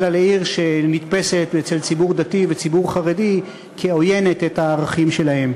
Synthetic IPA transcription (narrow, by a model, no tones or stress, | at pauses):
laleiʁʃenit̪pese̞t̪et͡selt͡sibuʁd̪ativet͡sibuʁχaʁe̞di | kʰeo̞je̞ne̞t̪etaːʁaχimʃe̞lahe̞m